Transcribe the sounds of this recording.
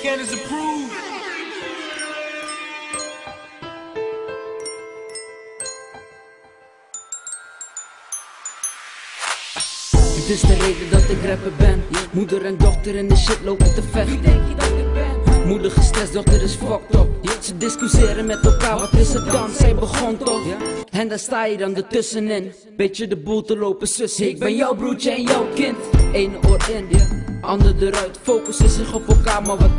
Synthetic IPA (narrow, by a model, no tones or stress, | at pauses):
kɛnəsəpru | ətɪsdərejdədɑtɪkrɛpəbɛnmudəɾɛndɔχtəɾɪndəʃɪtlowpəntəvɛxŋd̚ | mudəχəstrɛsdɔχtəɾɪsfɔk̚tɔpsədɪskysɪːɾənmɛtɛlˠkaːɹʋɑtɪsət̚ɡɑnsɛjbəχɔntɔɛndaːstaːjədɑndətɵsənɪn | b̥ejtədəbulˠtəlowpəsəsɪk̚bɛjjɔwbrut͡ʃəɛnjɔwkɪntejnəʔoɪndiəɑndədəɾœɥtfowkəsəzɪχɔpɛlˠkaːɹmaːɹʋɑt